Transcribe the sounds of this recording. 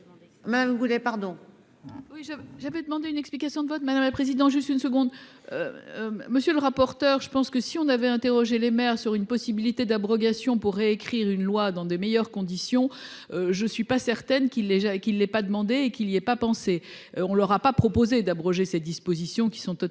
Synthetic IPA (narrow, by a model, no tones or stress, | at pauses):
mad̪amɡulepaʁd̪ɔ̃ | wiʒavɛʒavɛd̪əmɑ̃d̪eynɛksplikasjɔ̃d̪əvɔt̪mad̪amlapχezid̪ɑ̃t̪ʒyst̪ynsəɡɔ̃d̪ø̰məsjøləʁapɔʁt̪œʁʒəpɑ̃skəsiɔ̃navɛɛ̃t̪eʁɔʒelemɛʁsyʁynpɔsibilit̪ed̪abʁɔɡasjɔ̃puʁːeekχiʁynlwad̪ɑ̃d̪əmejœʁkɔ̃d̪isjɔ̃ | øʒəsɥipasɛʁt̪ɛnkilːɛʒakilːɛpad̪əmɑ̃d̪eːkiliɛpapɑ̃seɔ̃lœʁapapχɔpozed̪abʁɔʒesɛd̪ispozisjɔ̃kʲi̥sɔ̃t̪ɔ